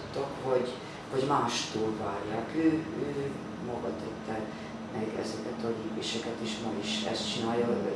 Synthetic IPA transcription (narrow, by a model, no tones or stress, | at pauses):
t̪ːɒkhoɟ | hoɟmaːʃt̪uːlvaːrjaːkøːøː | mɒɡɒt̪ɛt̪ːɛl | mɛɡɛ̰zɛkɛt̪ɒliːpeːʃɛkɛt̪iʃmɒiʃɛ̰st̪t͡ʃinaːjːɒ